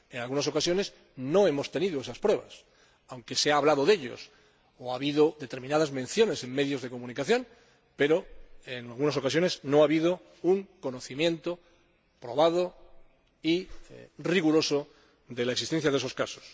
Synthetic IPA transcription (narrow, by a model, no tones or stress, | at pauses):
enalɣunas̬o̞kasjo̞ne̞s | no̞e̞mo̞st̪e̞niðoesaspɾwe̞β̞a̰s | awŋke̞seaːβlaðoðe̞ʎo̞̰s | oaβiðoðet̪e̞ɾmĩnað̞azmẽ̞n̟θjo̞ne̞se̞ŋme̞ðjo̞zð̞e̞ko̞mũnikaθjõ̞n | pe̞ɾo̞enalɣunaso̞kas̬jo̞ne̞sno̞aβiðo | uŋko̞no̞θimjẽ̞nt̪o | pɾo̞β̞að̞o | iriɣuɾo̞so | d̪e̞laeksist̪e̞nθjaðeso̞skaso̥s